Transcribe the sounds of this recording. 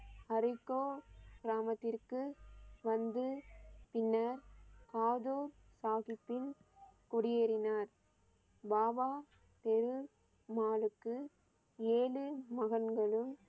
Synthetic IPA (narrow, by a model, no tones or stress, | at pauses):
ɐɾɪkːoːɡɾaːmɐt̪ːɪrkɯʋɐnd̪ɯpɪnːɐɾkaːðoːɾ | saːɣɪpːɪnkʊɽɪjeːɾɪnaːɾ | baːʋaː | t̪ɛɾɯ | maːlɯkːɯ | eːɭɯmɐɣɐnɡɐɭɯm